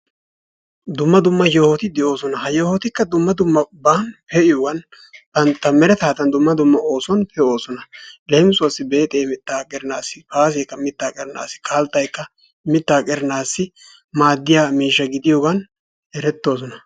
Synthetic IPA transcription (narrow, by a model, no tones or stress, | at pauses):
d̪ʊmːɐd̪ʊmːɐjoːhɔt̪ɪd̪ɛʔo̞ːsɔnɐhɐjoːhɔt̪ɪkːɐd̪ʊmːɐd̪ʊmːɐbanpɛʔɪjoːɡɐn | b̥ɐnt̪ːɐmɛɾɛt̪aːt̪ɐnd̪ʊmːɐd̪ʊmːɐo̞ːsɔnpʰɛʔo̞ːsɔnɐlejmsʊwɐsːɪbeːt̪ʼeːmɪt̪ːaːkʼɛɾɪnaːsːɪfaːs̬eːkːɐmɪt̪ːaːkʼɛɾɪna̰ːsːɪ̥kʰalt̪ːɐjkːɐ | mɪt̪ːaːkʼɛɾɪnaːsːɪ | maːd̪ːɪjaːmiːʃːɐɡɪd̪ɪjoːɡɐn | ɛɾɛt̪ːo̞ːs̬ɔnɐ